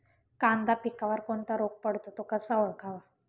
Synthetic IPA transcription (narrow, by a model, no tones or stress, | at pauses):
kãnd̪apikaʋəɾkoɳt̪aɾok̚pəɽ̤t̪ot̪okəsəʋəɭkʰaʋa